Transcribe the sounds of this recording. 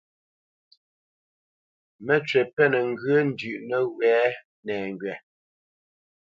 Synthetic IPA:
mɛ˦t͡ʃɥɛ˨pɛ˦nɛ˨ŋ̩˨ɡə˦n̩˨dʉ˨ʔnə˦wɛː˨˦ | nɛː˨ŋɡɥɛ˨

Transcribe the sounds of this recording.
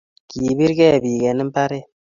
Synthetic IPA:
kiː˨bi˦ɾɡɛ˦˨bi˨ɡɛ˨nɨ˦m̩˦pa˦ɾe˦

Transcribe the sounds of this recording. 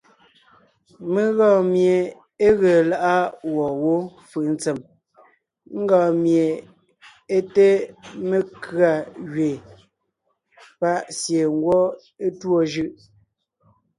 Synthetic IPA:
me˦ɣɔ̃ː˦˨mje˨ | e˦ɣe˨la˨ʔa˦wɔ˨wo˦fɯ˨n̩˦t͡sɛ˨m | ŋ̩˦ɡɔː˨mje˨ | e˦te˦me˦kɰa˨ɣɥe˨ | pa˦ʔsje˨ŋ˦ɡwɔ˦ | e˦two˦˨ʒɯ˦ʔ

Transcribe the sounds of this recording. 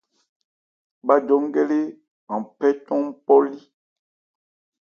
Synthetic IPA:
ɓa˦d͡ʒɔ˨˦ŋ˦ɡɛ˦le˦ | ã˨pɛ˦tɔ̃˦m˦pɔ˦li˦

